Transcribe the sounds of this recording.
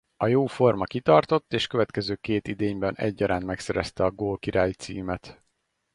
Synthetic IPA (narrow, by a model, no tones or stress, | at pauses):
ɒjoːfo̞rmɒkit̪ɒrt̪o̞t̪ːeːʃkøvɛt̪kɛzøːkeːt̪id̪eːɲbɛnɛ̰ɟːɒɾʔaːnt̪mɛksɛɾɛst̪ɛɒɡoːlkiɾaːjit̪sḭːmɛt̪